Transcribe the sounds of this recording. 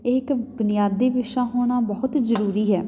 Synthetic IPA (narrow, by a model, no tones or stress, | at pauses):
ɪɪkbʊnɪjaːd̪ːeːʋɪʃaːɦoːɽ̃aːbəɦʊt̪zəɾuːɾiːɦɛː